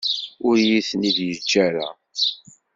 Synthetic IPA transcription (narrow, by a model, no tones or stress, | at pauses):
ʊɾjiθniðjəd͡ʒːæɾa̰